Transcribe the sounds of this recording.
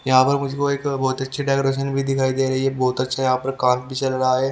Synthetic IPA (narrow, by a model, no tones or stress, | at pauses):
jɐɦãpɐɾmʊd͡ʒʱekoeːkbɔːt̪ɐtːʃʰeɖaɪkɾeːʃ̬ənbʱid̪ɪkʰaːid̪eːɾɐɦiɛbɔːt̪ɐtːʃʰajɐɦãːpɐɾkãːnt̪̚bʱit͡ʃɐlɾaaɦɛː